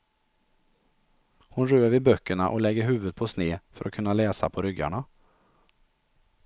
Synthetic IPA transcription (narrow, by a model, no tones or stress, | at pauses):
hʊnɾøːəvɪbœkːəɳaʔɔlɛɡːəɾɦʉ̟ːvɵd̪̚pʰɔsneːfœ̰ɾʔɔkʰɵnːalɛːsa̰pʰɔɾʏɡa̰ɳa